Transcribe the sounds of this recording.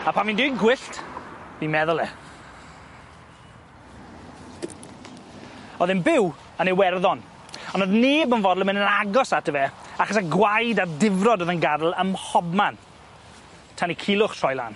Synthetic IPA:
apʰanviːndɪɡwɪɬtb̥imɛðʊlˠɛ | ɔðɪnbɪw | ənewɛrðɔn | ɔnoðneːbənvɔdl̩ˠəmɪnənaɡɔsatʰəvɛaχɔsaɡwajdadɪvrɔdoːðənɡadl̩ˠəmhɔbman | tʰanikʰɪlˠʊχtʰɔjlˠa̰n

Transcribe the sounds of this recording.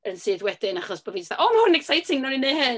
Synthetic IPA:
ənsɨːðwɛd̥ɪnaχɔsb̥ɔvisθa̰ʔɔmahʊnɛksajtʰɪŋnɔnineɦɨn

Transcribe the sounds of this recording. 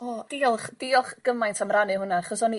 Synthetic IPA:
ɔd̥ilˠχd̥iɔχɡ̥əmajntʰamranɨɦʊnaaχɔsɔni

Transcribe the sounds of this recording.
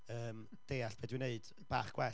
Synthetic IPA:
əːm | d̥eːaɬb̥ʰɛːdwɪneɨd̥ | b̥a̰ːχɡ̥wɛ

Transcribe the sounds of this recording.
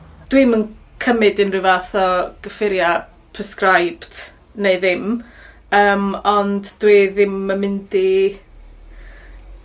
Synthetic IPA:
d̥wimənkʰəmɪdɪnrɨvaθɔɡ̥əfɪɾja | pʰrəskrajb̥d̥ | nejðɪm | əːmɔnddwiðɪmːəmɪndi

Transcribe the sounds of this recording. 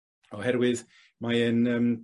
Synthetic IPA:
ɔhɛɾwɪð | majənəm

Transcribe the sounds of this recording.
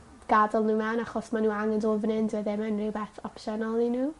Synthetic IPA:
ɡ̥adɔlˠnuːmɛnaχɔsmanuːaŋɛndovnɪndwɛðɛmɛnrɪwbɛθɔpʃɛnɔlˠinuː

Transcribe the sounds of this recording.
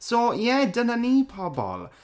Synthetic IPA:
sojɛdənanipʰabɔ̰ːl

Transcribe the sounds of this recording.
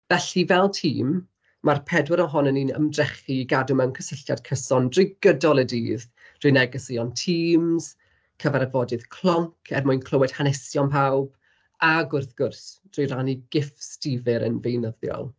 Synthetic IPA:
vɛɬivɛlˠtʰḭːmː | arpʰɛdwɪɾɔɦɔnəninə̰mdrɛχiːɡadʊmənkʰəsɪɬja̰d̥kʰəsɔndrɪɡ̥ədɔlˠədiːð | d̥rʊjnɛɡəsiɔntʰiːmz̥ | kʰəvaɾavɔdɨðkʰl̥ˠɔŋkʰɛrmʊɨjnkʰl̥ˠəwɛd̥hanɛsjɔnpʰawb̥ | aɡʊrθɡ̥ʊrθd̥rʊjraniɡɪfstivɨɾə̰nvejnəðjɔ̰lˠ

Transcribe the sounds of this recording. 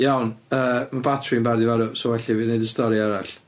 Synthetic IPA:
jawnəːmabatʰrimbardivaɾusɔwɛɬivinejdəstɔɾiaɾaɬ

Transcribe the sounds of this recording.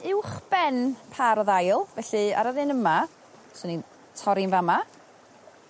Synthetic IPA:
ɪwχb̥ɛnpʰaɾɔðajlˠvɛɬɨa̰ɾaðɪnəma | sʊnin | tʰɔɾɪnvama

